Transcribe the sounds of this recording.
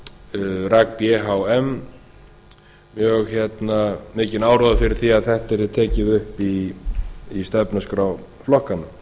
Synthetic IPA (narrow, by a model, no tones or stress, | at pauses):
ɾak̚pjɛɦawɛm | jœɣçɛt̪namɪːcɪnaːwɾɔðafɪɾɪɾ̥θiaðθɛht̪ɛɾɪt̪ʰɛːcɪðʏhpiː | st̪ɛpnaskɾaw | flɔhkana